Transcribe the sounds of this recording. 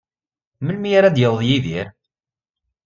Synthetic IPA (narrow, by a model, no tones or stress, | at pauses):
məlmijaɾæd̪jəvðˤjiðiɾ